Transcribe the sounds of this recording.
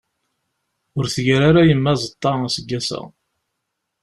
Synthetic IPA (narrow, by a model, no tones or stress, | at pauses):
ʊɾθəʝɾaɾajəmːæzˤət̪ˤːɑæsəɡːæsæ̰